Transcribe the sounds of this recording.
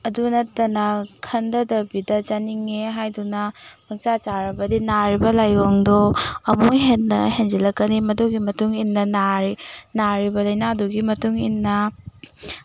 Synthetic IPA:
ɐdunɐtːɐnɐkʰɐndɐdɐbidɐd͡ʒaniŋeɦajdunɐmɐk̚t͡ʃat͡ʃaɾɐbɐdinaɾibɐlajoŋdoɐmuŋɦet̚nɐ̰ɦend͡ʒilɐkːɐnimɐduɡimɐtuŋinːɐnaɾinaɾibɐlɐjnaɐduɡimɐtuŋinːɐ

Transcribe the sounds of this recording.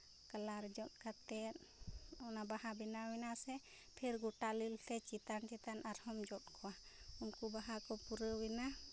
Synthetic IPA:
kəlaɾd͡ʒɔt̪̚kʰat̪ɛt̪̚ | ɔnabahabinawinasɛ | pʰɛɾɡɔʈalilsʰɛt͡ʃit̪ant͡ʃit̪anʔaɾhɔmd͡ʒɔt̚kʰɔwaunkubaɦakɔpuɾəwɛna

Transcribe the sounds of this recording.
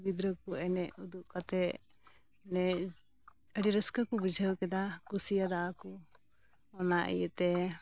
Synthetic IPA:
bid̪ɾəkuɛnɛʔud̪uʔkat̪ɛ | nɛ | əɖiɾəskakubid͡ʒʱəwkɛd̪akusijad̪aːku | ɔnaʔḭjəʔt̪ɛ

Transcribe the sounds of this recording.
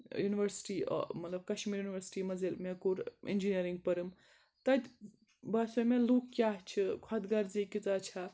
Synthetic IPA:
juniʋɐɾsi̥ʈḭmɐt̪lɐb̚kɐʃmiːɾjuniʋɐɾsi̥ʈimɐd͡zelmekuɾḭnd͡ʒinijəɾiŋɡ̚pɐɾɨm | t̪ɐd̪ʲ | basomelukːjaɦt͡ʃʰikʰɐd̪ɡɐɾd͡zikit͡sat͡ʃʰa

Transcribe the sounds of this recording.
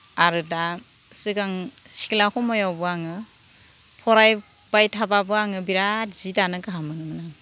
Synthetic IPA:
aɾɯda | sɯɡaŋsiklakʰɔmɔjawbɯaŋɯ | pʰɔɾaj | b̥ajtʰababɯaŋɯbiɾatz̥idanɯkaɦamɯnɯmɯna

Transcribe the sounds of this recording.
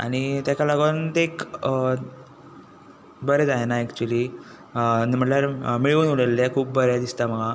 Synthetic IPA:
a̰ɽ̃it̪jakalaɡont̪ek | bəɾed͡zajnaekt͡ɕuəliː | m̤əɳʈljaɾmiɭuːnuɽelːekʰuːb̚bəɾjad̪ist̪aməɡa

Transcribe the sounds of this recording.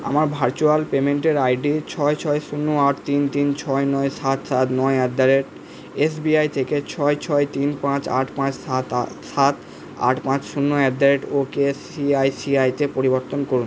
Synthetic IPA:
a̰maɾbʱaɾt͡ɕualpemeɳʈeɾajɖit͡ɕʰɔet͡ɕʰɔeʃunːoaʈt̪int̪int͡ɕʰɔenɔesat̪sat̪nɔeɛd̪aɾeʈ | esbiajt̪ʰeket͡ɕʰɔet͡ɕʰɔet̪inpãt͡ɕa̰ʈʰpãt͡ɕat̪sat̪ | a̰ʈʰpãt͡ɕʃunːoɛbd̪ʱaɾeʈokesiajsiajtepoɾiboɾt̪onkoɾun

